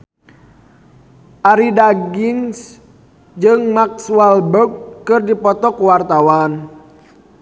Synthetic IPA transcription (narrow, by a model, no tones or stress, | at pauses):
ʔaɾidaɡiŋs | d͡ʒɨŋmak̚sualbɔk̚ːɨrdipɔt̪ɔkuwart̪awan